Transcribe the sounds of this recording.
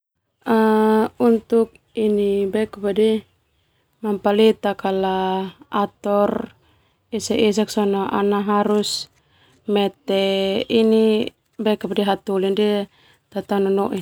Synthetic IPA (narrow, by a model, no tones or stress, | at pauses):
aunt̪uk̚ | inibɛkapadi | mampalit̪akalaat̪ɔr | isɛʔis̬aksɔnɔʔa̰naɦaɾus | mɛt̪ɛini | bɛkapadiɦat̪ulindi | t̪at̪anɔnɔʔi